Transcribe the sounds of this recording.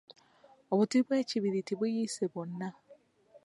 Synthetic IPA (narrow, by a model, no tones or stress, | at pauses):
oβutiβweːciβiɾitiβujiseβonːa